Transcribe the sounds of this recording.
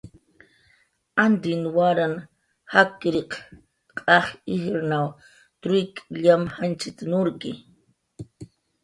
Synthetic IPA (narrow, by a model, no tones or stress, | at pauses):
and̪ɪnwaɾan | hakːɾɪq | qʼaχihɾnaw | t̪ɾʊjkʼʎamhant͡ʃɪt̪nʊɾkɪ̰